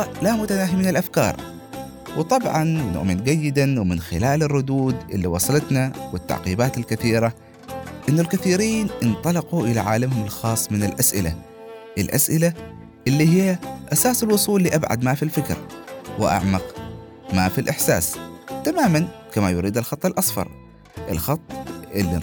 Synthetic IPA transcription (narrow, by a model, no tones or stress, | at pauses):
lamʊt̪anaːɦimɪnalʔafkɑ̰ːɾˤ | wɨt̪ˤɑbʕɑnwnʊ̰ʔmɪnɡajːɪd̪anwɪmɪnxɪlaːlɪrˤːʊd̪uːd̪ʔɪ̰lːiwɑsˤɑlɑt̪nawɪt̪ːa̰ʕqiːbaːt̪alkaθiːɾa | ʔɪnːʊlkaθiːɾiːnʔɪnt̪ˤɑlɑquʔɪlaʕaːlamhʊmɪlxɑːsˤːmɪnɪlʔasʔɪ̰la̰ | ʔɪlʔa̰sʔɪla | ʔɪlːiɦɪjːaʔasaːsɪlwʊsˤuːlːiʔabʕa̰d̪mafilfɪkɾwɪʔa̰ʕmɑq | maːfilʔɪħsa̰ːst̪amaːmankamajʊɾiːd̪alxɑt̪ˤːɪlʔɑsfɑ̰ɾˤ | ʔɪ̰lxɑt̪ˤːʔɪlːḭ